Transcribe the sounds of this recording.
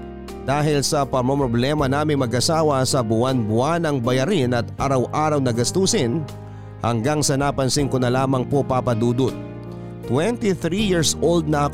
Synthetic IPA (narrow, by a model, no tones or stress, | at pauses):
d̪̥aːɦɪlsɐpɐmɐmpɾoblɛmɐnaːmɪŋmɐɡʔɐsaːwɐsɐbʊʔanbʊʔanɐŋbɐjɐɾɪnɐt̪̚ʔaɾɐwʔaːɾɐwnɐɡɐst̪uːsɪn | hɐŋɡaŋsɐnapɐnsiŋkonɐlaːmɐŋpopapɐd̪uːd̪ot̪̚ː | wɛnt̪iθɾijiɹsʔold̪̚nɐʔɐk